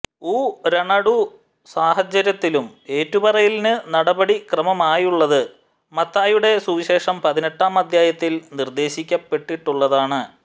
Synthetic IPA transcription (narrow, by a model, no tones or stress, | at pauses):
uːɾɐɳɐɽu | saːhɐt͡ɕːɐɾjɐt̪ːilume̞ːtːubɐrɐjilnɨnɐɽɐbɐɽikrɐmɐmaːjuɭːɐðɨ | mɐt̪ːaːjuɽe̞suːɕe̞ːʂɐmpɐðineʈːaːmɐd̪ʱjaːjɐt̪ːilnird̪e̞ːɕikʲːɐpːe̞ʈːiʈːuɭːɐðaːɳɨ